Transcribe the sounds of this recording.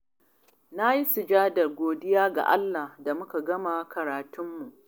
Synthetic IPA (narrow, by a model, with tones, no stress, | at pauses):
na˦ji˦sʊ˨d͡ʒaː˦dɐ˨rɡʷoː˨dɪ˦jaː˦ɡa̰˨ʔa̰˦lːa˨hda˨mʊ˦ka˨ɡɐ˦ma˨kɐ˨ɾaː˨tʊ˦mːu˨ʔ